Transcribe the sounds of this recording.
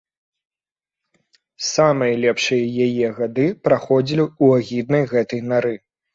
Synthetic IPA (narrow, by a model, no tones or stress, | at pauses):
samɨjɐlʲɛpʂɨjɐjajɛɣad̪ɨpɾaxɔd͡zʲilʲiuaɣʲid̪nɐjɣɛt̪ɐjnaɾɨ